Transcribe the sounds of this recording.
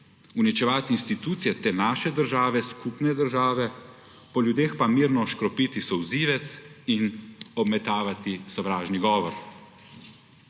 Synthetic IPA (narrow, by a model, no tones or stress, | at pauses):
unit͡ʃɛʋaːt̪iːnst̪it̪uːt̪sijɛt̪eːnaːʃɛd̪əɾʒaːʋɛskupnɛd̪əɾʒaːʋɛ | pɔljud̪eːxpamiːɾnɔʃkɾɔpiːt̪isɔwziːʋɛt̪sinɔbmɛt̪aːʋat̪isɔʋɾaːʒniɡɔːʋɔɾ